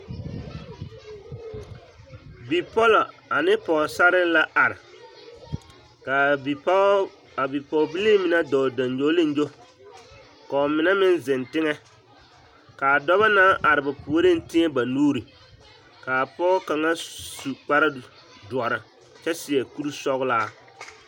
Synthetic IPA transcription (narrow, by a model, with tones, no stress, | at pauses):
bi˨pɔ˦la˨ | a˨nɪ˦pɔ˨sa˦ɾɪ˦la˦ʔa˨ɾɪ˨ | a˨˦ | a˨bi˨pɔ˨bi˦li˦mɪ˨na˦dɔ˨da˨n˦d͡ʒo˦lɪ˦n˦d͡ʒo˦ | ka˨ɔ˨mɪ˨nɛ˦mɪ˦n˦zɪ˨ntɪ˦ŋɛ˦ | kaː˨dɔ˦βa˦naː˦ʔa˨ɾɪ˨ba˨pu˨o˦ɾe˦n˦tɪ˦ɛ˦ba˨nuː˦ɾi˨ | ka˨pɔː˦ka˨ŋa˦su˨k͡pa˦ɾa˦ | dʊ˨ɔ˨ɾa˨ | t͡ʃɛ˦sɪ˨ɛ˨ku˦ɾu˦sɔ˦ɣʊ˦laː˦